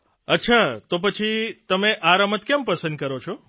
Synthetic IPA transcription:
ətːʃʰat̪op̬ət͡ʃʰit̪əmeʔaɾamət̪kjɛmpəsə̃nd̪̚kəɾot͡ʃʰo

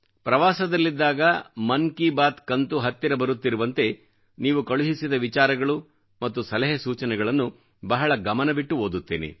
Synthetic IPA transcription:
pɾɐʋaːsɐd̪ɐlːid̪ːaːɡɐmɐnkibaːt̪kɐnt̪uɦɐt̪ːiɾɐbɐɾut̪ːiɾuʋɐnt̪e̞ | niːʋukɐɭuɦisid̪ɐʋit͡ʃaːɾɐɡɐɭu | mɐt̪ːusɐlɐɦɐsuːt͡ʃɐnɛɡɐɭɐnːu | bɐɦɐɭɐɡɐmɐnɐbiʈːuɦoːd̪ut̪ːeːnḛ

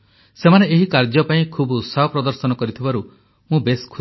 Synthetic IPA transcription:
semaneeɦikaɾd͡ʒɔpaĩkʰubt̪saɦɔpɾɔd̪ɔɾsɔnɔkɔɾit̪ʰibaɾu | mũbeskʰ

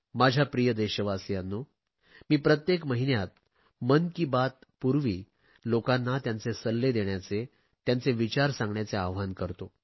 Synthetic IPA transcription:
mad͡ʑʱjapɾijəd̪eɕəʋasijanːo | miːpɾət̪jekməɦinjat̪̚ | mənkiːbat̪̚puɾʋiː | lokanːat̪jant͡sesəlːed̪eɳjat͡se | t̪jant͡seʋit͡ɕaɾsãŋɡɳjat͡seaʋʋankəɾt̪o

